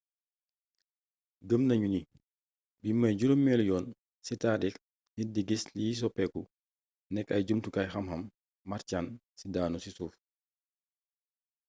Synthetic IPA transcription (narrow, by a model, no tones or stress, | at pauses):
ɡəmnɐɲuni | bimɐjɟuɾomːɛljɔːn | sitadik | nidiɡislis̬ɔpɛku | nɛkɐjɟumtukajxɐmɦɐmː | aɾcaːnsidaːnusisuːf